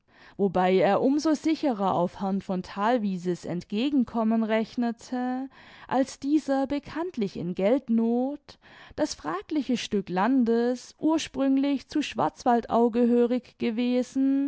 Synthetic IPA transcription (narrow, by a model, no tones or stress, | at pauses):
vobaɪeːɐʔʊmzozɪçəʁɐʔa̰ʊfhɛɐntfɔntʰaːlviːzəsɛ̰ntɡ̥eːɡŋ̩kʰɔmənʁɛçnətʰəʔalsd̥iːzɐbəkʰantʰlɪçɪ̰nɡɛltnoːt | d̥asfʁ̥aːklɪçəʃtʏklandəsʔuːɐʃpʁ̥ʏŋlɪçt͡suːʃv̥a̰ɐt͡sv̥altʔa̰ʊɡəɦøːʁɪçɡ̥əveːzn̩